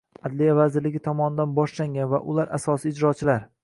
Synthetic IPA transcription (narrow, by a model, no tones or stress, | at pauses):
ad̪lijavazɪɾlɪɡʲɪt̪ʰɒmɒnɪd̪anbɒʃlaŋɡʲanva̰ʔʊlaɾʔasɒsiɪd͡ʒɾɒt͡ʃʰɪlaɾ